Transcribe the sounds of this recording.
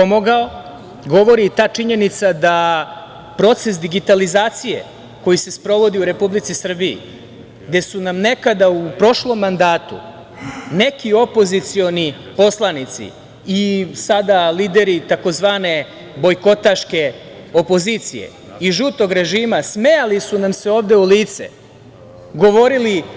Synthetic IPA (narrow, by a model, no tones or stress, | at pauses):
pomoɡao | ɡo̞ʋo̞ɾit̪aːt͡ʂiɲe̞nit̪sad̪a | pɾo̞t̪se̞sd̪iɡit̪alizaːt̪sije̞̰ | ko̞jise̞spɾo̞ʋo̞d̪iuɾe̞publit̪sisr̩biḭ | ɡd̪e̞sunamne̞kad̪aupɾo̞ʃlo̞mːand̪aːt̪ṵ | ne̞kio̞po̞zit̪sio̞nipo̞slˠanit̪sḭ | isad̪aliːd̪e̞ɾit̪ako̞zʋaːne̞ | bo̞jko̞t̪aʃke̞ | o̞po̞ziːt̪sḭje̞̰ | iʒut̪o̞ɡɾe̞ʒiːmasmejalisunamse̞o̞ːʋd̪e̞uliːt̪sḛ | ɡo̞ʋo̞ɾili